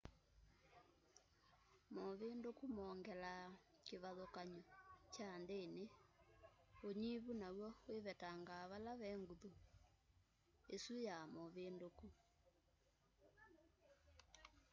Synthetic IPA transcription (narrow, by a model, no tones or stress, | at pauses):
mɔβendokumɔːŋɡɛla | keβaðokaɲɔt͡ʃandene | oɲiβunawɔweβɛtaŋɡaːβalaβɛŋɡuðu | esujamɔβendoku